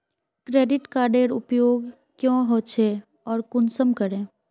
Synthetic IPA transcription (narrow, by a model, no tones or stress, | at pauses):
kɾeːɖɪʈkaːɾɖeːɾʊpjoːɡ | kjõːɦoːt͡ʃʰe | ɔːɾkʊnsəmkəɾẽː